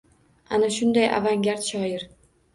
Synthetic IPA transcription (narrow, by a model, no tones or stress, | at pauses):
anaʃʊnd̪ajʔa̰vaŋɡʲaɾt̪ʃɒjɪɾ